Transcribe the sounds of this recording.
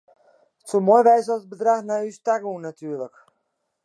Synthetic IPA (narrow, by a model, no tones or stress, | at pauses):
ətsomojʋɛjsəbədraxnaystaɡəunːatʰyːrlək